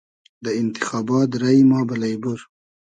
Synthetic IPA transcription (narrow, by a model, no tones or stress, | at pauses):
d̪əɪnt̪ɪxɑːbɑːt̪ɾaimɑːbalajbuɾ